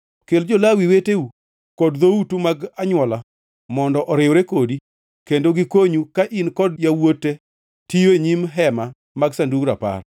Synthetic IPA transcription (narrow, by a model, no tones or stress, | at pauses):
keld͡ʒɔlawiweteu | kɔdðoutumaɡaɲwɔla | mɔndɔʔɔɾɪwɾekodi | kendoɡɪkoɲukaʔinkɔdjawotːe | tijoeɲimɦɛma | maɡsanduɡɾapa̰r